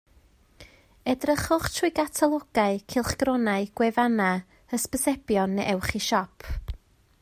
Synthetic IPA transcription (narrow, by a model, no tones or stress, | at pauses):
ɛdrəχʊχtʰrujɡatʰalˠɔɡ̥aɨkʰɪlˠχɡ̥rɔnaɨɡ̥wɛvana | əspəsɛbjɔnːʔɛwχiʃɔpʰ